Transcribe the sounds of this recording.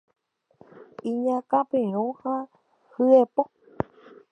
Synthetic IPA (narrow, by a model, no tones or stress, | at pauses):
iɲãkapeõhã | hɨepok̚